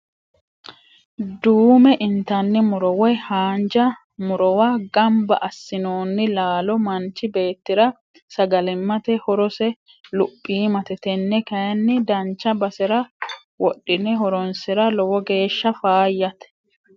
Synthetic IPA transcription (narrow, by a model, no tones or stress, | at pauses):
d̪uːmɛʔɪnt̪ɐnːɪmʊɾɔwɛhaːnd͡ʒɐ | mʊɾɔwaɡɐmbɐ̰ʔɐsːɪnoːnːɪlaːlɔmɐnt͡ʃːɪbe̞ːt̪ːɪɾɐ | sɐɡɐlɛmːɐt̪ɛhɔɾɔsɛ | lʊpʼːiːmɐt̪ɛt̪ɛnːɛkɐjɐnːɪd̪ɐnt͡ʃːɐbɐsɛɾɐ | wɔɗːɪnːɛɦɔɾɔnsɪɾɐlɔwɔɡe̞ːʃːɐfaːjːɐt̪ɛ̥